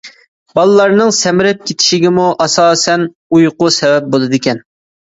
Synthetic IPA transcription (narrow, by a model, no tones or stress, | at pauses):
bɑlˠɨlˠɑɾnɨŋsɛmɪɾɛp̚kʲet̪ʰɪ̥ʃɪɡʲɪmuʔɑsɑːsɛn | ujqʊsɛvɛp̚bolˠɨd̪ɪkʲɛn